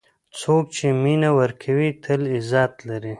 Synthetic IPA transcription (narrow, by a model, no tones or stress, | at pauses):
t͡sok̚t͡ʃeminawəɾkʰawit̪ʰəlɪzɑːt̪laɾi